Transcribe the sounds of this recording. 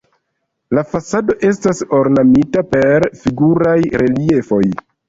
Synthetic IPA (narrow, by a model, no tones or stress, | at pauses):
lafasado̞ʔe̞s̬taso̞ɾnamitape̞ɾfiɡuɾajɾʔe̞lie̞fo̞j